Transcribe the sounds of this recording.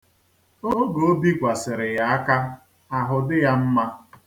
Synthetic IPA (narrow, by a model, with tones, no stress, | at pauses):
o˦ɡo˨o˦bi˦kʷa˨sɪ˨ɾɪ˨ja˨a˦ka˦ | a˨ɦʊ˨dɪ˦ja˦m̩˦ma˦